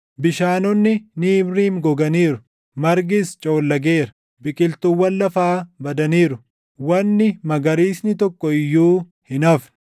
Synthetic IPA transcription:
bɪʃaːnɔnːɪniːbɾiːŋɡɔɡɐniːɾʊ̥ | mɐɾɡɪst͡ʃʼoːlːɐɡeːɾɐ | bɪkʼɪlt̪ʊwːɐlːɐfaːbɐd̪ɐniːɾʊ | wɐnːɪmɐɡɐɾiːsnɪt̪ɔkːɔɪjːuː | hɪnɐf

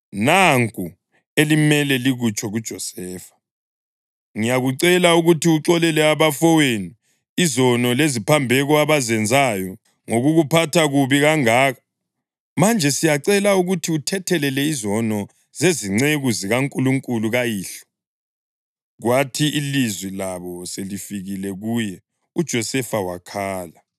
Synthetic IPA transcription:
naŋkʼu | elimɛlɛliɣut͡ʃʰʼɔɣud̥ʒ̥ʱɔsɛːfḁ | ŋijaɣuǀɛlauɣutʰiuǁɔlɛlɛaβafɔweniː | zɔnɔlezipʰambʱɛɣɔaβazɛnd͡zʱajɔ | ŋoɣuɣupʰatʰaɣuβiɣaŋaːɣa | mand͡ʒʱɛsijaǀɛlauɣutʰiutʰɛtʰɛlɛlɛizɔnɔ | zeziŋ͡ǀeɣuziɣaŋkʼuluŋkʼuluɣajiːɬɔ̥ | ɣwatʰiilizwilaβɔselifiɣilɛɣuːjɛ | ud̥ʒ̥ʱɔsɛfawa̰kʰaːla

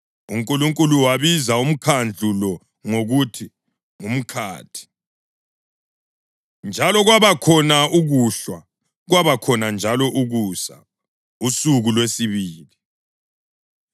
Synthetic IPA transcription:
uŋkʼuluŋkʼuluwaβizaum̩kʰand͡ɮʱulɔ | ŋoɣutʰi | ŋum̩kʰa̰ːtʰi̥ | nd͡ʒʱalɔɣwaβakʰɔnauɣuɬwa | ɣwaβakʰɔnand͡ʒʱalɔʔuɣusa̰ | usuɣulwesiβiːli

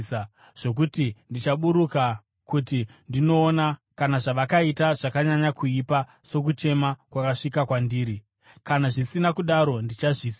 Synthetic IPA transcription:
ʐ̥o̞k̬utindit͡ʃaɓuɾuka | kutindino̞ːnakanaʐaʋakaitaʐakaɲaɲakuipa | so̞k̬ut͡ʃe̞makwakaʂikakwandiːɾi | kanaʐisinakuɗaɾo̞ndit͡ʃaʐis

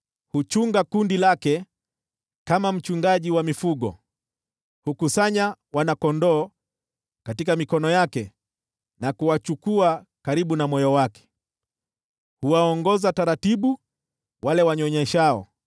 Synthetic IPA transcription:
hut͡ʃuŋɡakundilakɛ | kamam̩t͡ʃuŋɡaʄiwamifuɠɔ̰ | hukusaɲawanakɔndɔː | katikamikɔnɔjakɛ | nakuwat͡ʃukuakaɾiɓunamɔjɔwakɛ̥ | huwaɔŋɡɔzataɾatiɓu | walɛwaɲɔɲɛʃaɔ̰

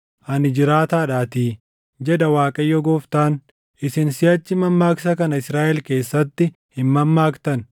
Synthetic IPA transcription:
ʔɐnɪd͡ʒɪɾaːt̪aːᶑaːt̪iː | d͡ʒɛᶑ̪ɐwaːkʼɐjːɔɡoːft̪aːn | ʔɪsɪnsɪjɐt͡ʃːɪmɐmːaːksɐkɐnɐɪsɾaːʔɛlke̞ːsːɐt̪ːɪ | hɪnmɐmːaːkt̪ɐn

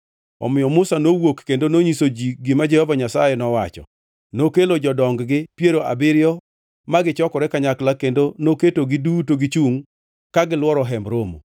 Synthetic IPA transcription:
ɔ̰mɪjɔmʊsanowokːendonoɲisod͡ʒiɡɪmad͡ʒɛhɔvaɲasa̰jɛnɔwat͡ʃɔ̰ | nokelod͡ʒɔdɔŋɡɡɪpjeɾoʔa̰bɪɾjɔ | maɡɪt͡ʃɔkɔɾɛkaɲaklakendonoketoɡɪdutoɡɪt͡ʃuŋ | kaɡɪlwɔɾɔɦɛmbɾomo̰

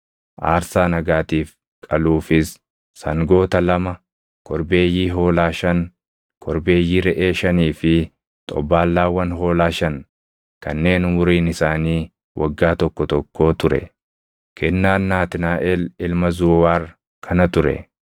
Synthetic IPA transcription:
ʔaːɾsaːnɐɡaːt̪iːf | kʼɐluːfɪsː | ɐŋɡo̞ːt̪ɐlɐmɐ | kʰɔɾbe̞ːjːiːɦo̞ːlaːʃɐn | kʰɔɾbe̞ːjːiɾɛʔeːʃɐniːfɪ | t̪ʼɔ̰baːlːaːwɐnɦo̞ːlaːʃɐn | kɐnːe̞ːnʊmʊɾiːnɪsaːniː | wʔɐ̰ɡːaːt̪ɔkːɔt̪ɔkːo̞ːt̪ʊɾɛ̰ | kʰɛnːaːnːaːt̪ɪnaːʔɛlɪlmɐzʊːwaːr | kʰɐnɐt̪ʊɾɛ̰

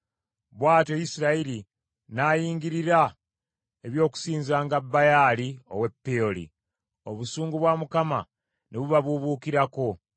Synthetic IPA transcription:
βwaːto̞jisiɾaiɾi | naːjiːŋɡiɾiɾa | e̞βjo̞ːku̥siːnzaːŋɡabːajaːlio̞̰we̞pːeolḭ | o̞βusuːŋɡuβwamukama̰ | neβuβaβuβuːkiɾako̞

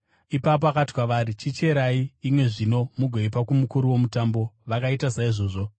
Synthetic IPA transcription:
ipap̬oakatwaʋaɾit͡ʃit͡ʃe̞ɾaiːmwe̞ʐino̞muɡʱweipakumukuɾuwo̞mutambo̞ʋakaitasaiʐo̞ːʐo̞

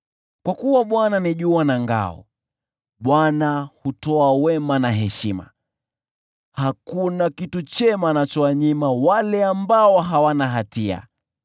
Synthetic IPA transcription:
kwakuwaɓwananiʄuanaŋɡa̰ɔ̰ | ɓwanahutɔawɛmanaɦɛʃima̰ | hakunakitut͡ʃɛmanat͡ʃɔaɲimawalɛambaɔɦawanaɦatia̰

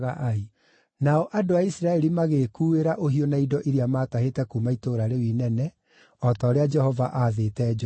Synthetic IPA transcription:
ɣaʔai | naɔʔadoaisiɾaɛɾimaɣeːkuːeɾaʔoɦiɔnaidɔʔiɾiamaːtaɦetɛkumaitoːɾaɾewinɛnɛ | ɔtɔːɾead͡ʒɛhɔvaʔaðetɛd͡ʒ

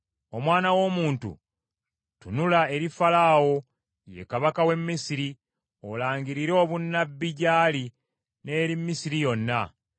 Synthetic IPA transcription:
o̞mwaːnawo̞muːntṵ | tunulae̞ɾifalaːwo̞ | je̞̰kaβakawe̞mːisiɾi | olaːɲɟiɾiɾe̞ːβunːabːiɟaːli | ne̞ːɾimːisiɾijo̞nːa

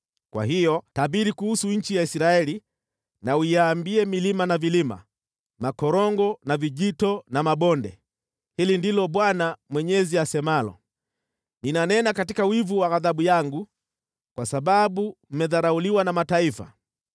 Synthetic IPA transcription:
kwa̰ɦijɔtabiɾikuhusuɲ̩t͡ʃijaisɾaɛli | nauijaːmbiɛmilimanavilima̰ | makɔɾɔŋɡɔnaviʄitɔnamaɓɔndɛ | hilindilɔɓwanamwɛɲɛziasɛmalɔ̰ | ninanɛnakatikawivuwaɣaðaɓujaŋɡu | kwasaɓaɓum̩mɛðaɾauliwanamataifa̰

